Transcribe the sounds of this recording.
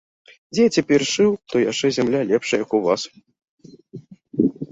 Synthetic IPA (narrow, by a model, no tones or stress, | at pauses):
d͡zʲɛt͡sʲɛpʲɛrʂɨwt̪ɔjat͡ʂɛzʲɛmlʲalʲɛpʂɐjɐkuvas